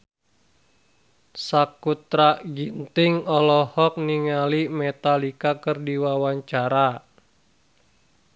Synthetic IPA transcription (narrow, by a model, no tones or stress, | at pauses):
sakut̪ɾaɡint̪ɪŋɔlɔhɔk̚niŋalimɛt̪alikakərdiwawaɲt͡ʃaɾa